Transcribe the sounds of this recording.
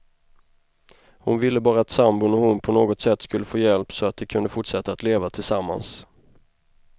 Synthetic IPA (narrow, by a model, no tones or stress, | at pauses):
hʊnvɪlːəbɑːɾaːt̪sambʊnɔhʊnpʰɔnoːɡɔt̪sɛt̪ːskɵlːəfoːjɛlpsɔat̪̚d̪ɛkʰɵnd̪əfʊʈʂɛt̪ːaːt̪leːvat̪ʰɪlsamːa̰ns